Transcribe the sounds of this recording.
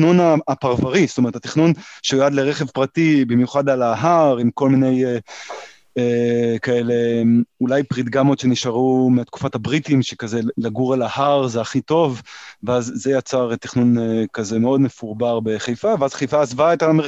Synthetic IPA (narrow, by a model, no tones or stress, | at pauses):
nunaːpaʁvaʁist̪ome̞ʁetat̪i̥χnunʃejoad̪leʁeχevpʁatibimjuχadalaɦaʁimko̞lminej | ekaelemulajpʁit̪ɡamo̞tʃe̞niʃaʁumeat̪ku̥fathabʁitimʃekazelaɡuʁalahaʁzeaχito̞vveazːejat͡saʁeti̥χnunekazemeo̞dmefuʁbaʁbe̞χejfaveazχejfaːzvaetame